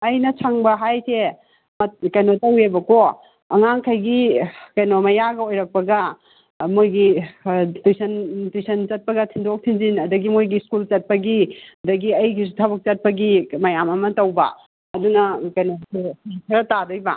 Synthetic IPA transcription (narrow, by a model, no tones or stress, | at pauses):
ɐjnɐt͡ʃʰaŋbɐɦajsʰe | mɐkɐjnotɐwebɐko | ɐŋaŋkʰɐjɡikɐjnomɐjaɡɐojɾɐk̚pɐɡɐ | mojɡi | tujsʰɐntujsʰɐnt͡ʃɐt̚pɐɡɐtʰindok̚tʰinzinɐdɐɡimojɡiskult͡ʃɐt̚pɐɡiɐdɐɡiɐjkʰis̬utʰɐbɐk̚t͡ʃɐt̚pɐɡimɐjamɐmɐtɐwbɐ̰ | ɐdunɐkɐjnosukʰɐɾɐtadɐjbɐ̰